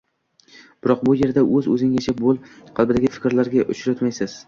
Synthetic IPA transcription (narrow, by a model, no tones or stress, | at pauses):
b̥ɪɾɒq̚bʊje̞ɾd̪aʔɵzɵ̰zɪŋʲat͡ʃʰabolˠqʰɑlˠbɪd̪aɡʲɪfɪ̥kʲɾlaɾɡʲaʔʊt͡ʃɾat̪majsɪz̥